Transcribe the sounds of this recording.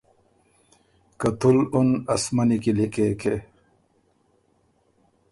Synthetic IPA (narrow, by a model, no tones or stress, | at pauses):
kɐt̪ulunɐsmɐnikilikekʰe